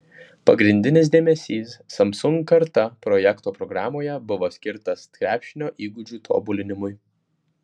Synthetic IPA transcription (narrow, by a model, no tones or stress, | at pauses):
pɐɡɾʲɪnʲd̪ʲɪnʲɪs̬d̪ʲeːmʲɛsʲiːsːɐmsʊŋɡkɐɾt̪ɐpɾɔjɛkt̪oːpɾɔɡɾɑːmoːjɛbʊʋoːsʲkʲɪɾt̪ɐst̪kʲɾʲæːpʲʃʲɪnʲoːʔiːɡʊd͡ʒʲuːt̪ʰo̰ːbʊlʲɪnʲɪmʊɪ